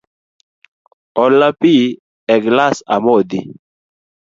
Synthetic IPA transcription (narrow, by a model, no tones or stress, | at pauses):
ɔlːapi | ɛɡlasa̰mɔd̪i